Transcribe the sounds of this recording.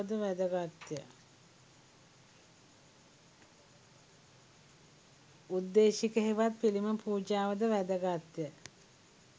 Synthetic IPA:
əd̪əʋæd̪əɡat̪jə | ud̪ːeːʃikəɦiʋat̪̚piliməpuːd͡ʒaːʋəd̪əʋæd̪əɡat̪jə

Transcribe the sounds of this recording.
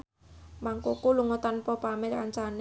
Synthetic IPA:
maŋkokuluŋot̪anpɔpamekaɲt͡ʃan

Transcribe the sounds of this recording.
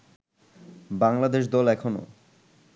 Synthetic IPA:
baŋlad̪eʃ̬d̪ɔlɛkʰono̰

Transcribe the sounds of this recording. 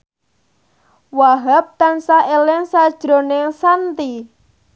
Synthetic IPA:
waɦap̚t̪ansaelɛŋsad̥ʒ̥ɾo̤neŋsant̪i

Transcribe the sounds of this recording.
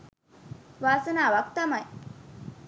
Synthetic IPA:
ʋaːsənaːʋak̚t̪amaj

